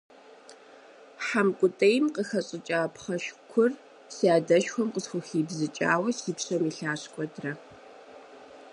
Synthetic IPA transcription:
ħamkʷʼʊtʼɐjmqəxɐɕʼɪt͡ʃʼaːpʰχɐʃkʷʰʊr | saːdɐʃxʷɔmqəsxʷʊxiːbzɨt͡ʃʼa̰ːwɐsiːpɕʼɐmiɬaːɕkʷʼɔdrɐ

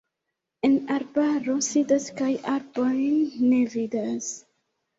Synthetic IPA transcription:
e̞naɾbaɾo̞sidaskajʔaɾbo̞jnːe̞vidas

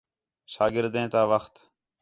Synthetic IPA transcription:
ʃaːɡɪɾd̪ẽːt̪aːʋəxt̪

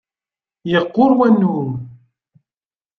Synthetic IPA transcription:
jəqːʊɾwænːuɾ

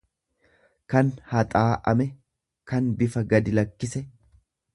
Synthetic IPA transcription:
kɐnhɐt̪ʼaːʔɐ̰mɛ | kɐnbɪfɐɡɐd̪ɪlɐkːɪsɛ

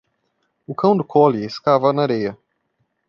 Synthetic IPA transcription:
ʊkɐ̃w̃d̪ʊkʰɔlɪɪskavɐnɐaɾejɐ

